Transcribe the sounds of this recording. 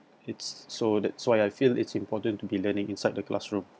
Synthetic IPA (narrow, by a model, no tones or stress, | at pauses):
ɪtsːodɛtswaɪajfilɪ̰tsĩmpɔtə̃ntubilənɪ̃ŋĩnsajd̚dəklʔa̰sɹũm